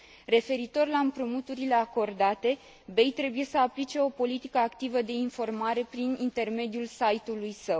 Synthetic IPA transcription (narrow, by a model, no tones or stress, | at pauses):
re̞fe̞ɾit̪o̞rlaɨmpɾumut̪uɾile̞ako̞rd̪at̪e̞ | be̞jt̪ɾe̞buje̞səaplit͡ʃe̞o̞po̞lit̪ikəakt̪ivəd̪e̞info̞rmaɾe̞pɾinint̪e̞rme̞d̪iulsajt̪ulujsəw